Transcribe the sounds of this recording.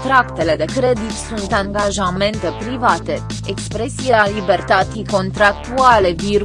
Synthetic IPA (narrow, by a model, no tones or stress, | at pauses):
t̪ɾakt̪e̞le̞d̪e̞kɾe̞d̪it̪sunt̪aŋɡaʒame̞nt̪e̞pɾivat̪e̞ | ekspɾe̞siealibe̞rt̪at̪siko̞nt̪ɾak̚t̪uale̞vir